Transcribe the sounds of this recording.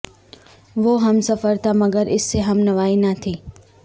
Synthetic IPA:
ʋoːɦɐmsɐfəɾt̪ʰamɐɡəɾɪsːeɦɐmnɐʋaːinat̪ʰiː

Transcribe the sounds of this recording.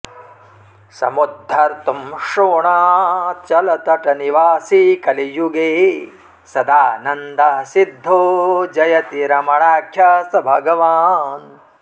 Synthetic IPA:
sɐ̰mud̪ʱːɐɾt̪umʃoːɳaːt͡ʃɐlɐt̪ɐʈɐniʋaːsikɐlijuɡeː | sɐd̪aːnɐnd̪asid̪ʱːoːd͡ʒɐjɐt̪iɾɐmɐɳaːkʰjaːsɐbʱɐɡɐʋaːn

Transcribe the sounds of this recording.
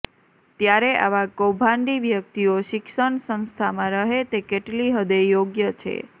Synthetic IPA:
t̪jaɾeʔa̰ʋakobʱãɳɖiʋjək̚t̪ioʃɪkʃəɳsə̃ñst̪ʰamãɾəɦet̪ekeʈliɦəd̪ejoɡjət͡ʃʰḛ

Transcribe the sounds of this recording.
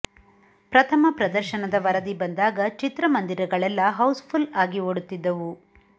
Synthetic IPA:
pɾɐt̪ʰɐmɐpɾɐd̪ɐɾʃɐnɐd̪ɐʋɐɾɐd̪ibɐnd̪aːɡɐt͡ʃit̪ɾɐmɐnd̪iɾɐɡɐɭɛlːɐɦɐwspʰulaːɡioɽut̪ːid̪ːɐʋu

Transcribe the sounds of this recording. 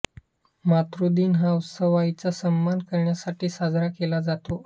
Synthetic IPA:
mat̪ɾud̪iːnɦawsəʋait͡sasəmːankəɾɳjasaʈiːsad͡zɾakelad͡zat̪o

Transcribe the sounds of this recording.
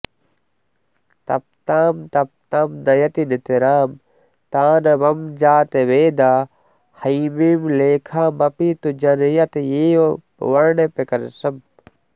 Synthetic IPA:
t̪ɐ̰p̚t̪aːmt̪ɐp̚t̪aːmnɐjɐt̪inɪt̪iɾaːm | t̪aːnɐʋɐmd͡ʒaːt̪eʋeːd̪aː | hɐmiːmleːkʰaːmɐpit̪ud͡ʒɐnjɐt̪jeːo | ʋɐɾɳepekɐnsɐm

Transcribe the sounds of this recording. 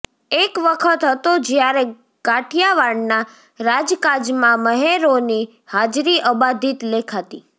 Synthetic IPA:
ekʋəkʰət̪ɦət̪od͡ʒjaɾe | ɡ̥aʈʰjaʋaɽna | ɾad͡ʒkad͡ʒmãməɦeɾoni | had͡ʒɾiʔəbad̪ʱit̪lekʰat̪i

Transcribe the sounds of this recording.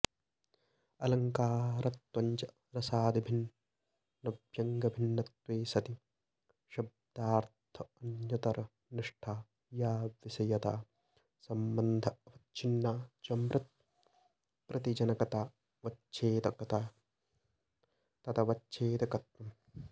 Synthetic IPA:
ɐlɐŋkaːɾɐt̪wɐɲt͡ʃɐ | ɾɐsaːd̪ibʱinː | ɐbʱjɐŋɡɐbʱinːɐt̪ʋeːsɐt̪i | ʃɐb̚d̪̥aːɾtt̪ʰɐɐnjɐt̪ɐɾɐ | niʂʈʰaː | jaːʋisɐjɐt̪aː | sɐmbɐnd̪ʱɐɐʋɐtt͡ʃʰinːaːt͡ʃɐmɾɐt̪̚ | pɾɐt̪id͡ʒɐnɐkɐt̪aː | ʋɐt͡ʃʰeːt̪ɐkɐt̪aː | t̪ɐt̪ɐʋɐtːt͡ʃʰeːt̪ɐkɐt̪mɐm

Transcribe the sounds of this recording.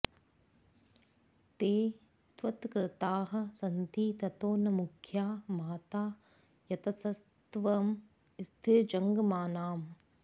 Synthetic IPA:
t̪eː | t̪ʋɐt̪kɾɪt̪aːɦɐ̆sɐnt̪iːt̪ɐt̪oːnɐmukʰjaːmaːt̪aː | jɐt̪ɐsɐs | t̪ʋɐm | st̪ʰɪɾd͡ʒɐŋɡmaːnaːm

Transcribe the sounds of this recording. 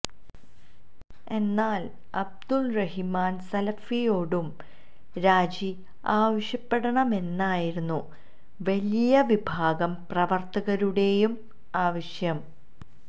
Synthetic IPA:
e̞nːaːl | ɐb̚d̪ulrɐɦimaːnsɐlɐfijo̞ːɽum | ɾaːd͡ʑi | aːʋɐɕjɐpːe̞ɽɐɳɐme̞nːaːjiɾunːu | ʋɐlijɐʋibʱaːɡɐmprɐʋɐrt̪ɐɣɐɾuɽe̞jum | aːʋɐɕjɐm

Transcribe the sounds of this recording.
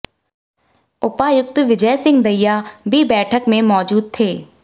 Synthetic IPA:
ʊpaːjʊk̚t̪ʋɪd͡ʒəjsɪ̃ŋɡd̪ɐijabʱibɛːʈʰəkmẽmɔːd͡ʒuːd̪̚t̪ʰeː

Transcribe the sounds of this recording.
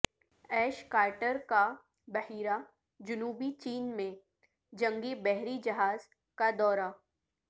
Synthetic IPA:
ɛːʃkaːɾʈəɾka | bɐhiːɾa | d͡ʒʊnuːbit͡ʃiːnmẽ | d͡ʒɐ̃ŋɡibɛɦɾid͡ʒɐɦaːz̥ | kad̪ɔːɾa

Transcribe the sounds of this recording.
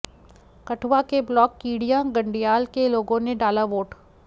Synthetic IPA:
kɐʈʰʋakeblɔːkːiːɽijãɡɐ̃ɳɖijaːlkeloːɡõneɖaːlaʋoːʈ

